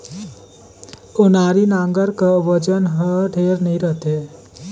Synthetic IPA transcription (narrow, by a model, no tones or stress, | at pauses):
onaɾinaŋɡəɾkəʋəd͡ʒənɦəɖʱeɾnəjɾəɦt̪e